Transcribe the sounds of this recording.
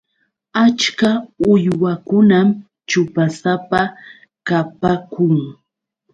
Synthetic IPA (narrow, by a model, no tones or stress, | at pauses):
at͡ʃkaʊjwakʊnam | t͡ʃʊpasapa | kapakʊŋ